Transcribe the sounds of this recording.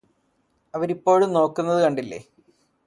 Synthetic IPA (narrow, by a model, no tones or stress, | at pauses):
ɐʋɐɾipːo̞ːɻumno̞ːkːunːɐðɨkɐɳɖilːḛː